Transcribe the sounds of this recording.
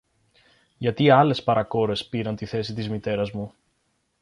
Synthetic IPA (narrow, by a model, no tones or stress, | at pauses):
ʝɐt̪iɐle̞spɐɾɐko̞ɾe̞spiɾɐnt̪iθe̞sit̪izmit̪e̞ɾɐzmu